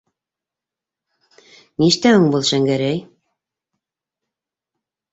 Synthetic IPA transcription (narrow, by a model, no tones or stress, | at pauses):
niʃt̪æhɵŋbulˠʃæŋɡæɾæj